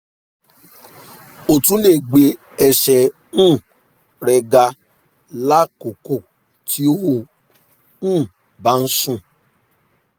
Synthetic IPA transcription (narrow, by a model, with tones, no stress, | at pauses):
o˨tũ˦le˦˨ɡ͡be˨˦ | ɛ˧ʃɛ˧ | nũ˦˨ | ɾɛ˧ɡa˧ | la˦ko˨ko˦˨ | tʰi˦o˦ho˦˨ | ũ˦˨ | ba˨˦n̩˦sũ˦˨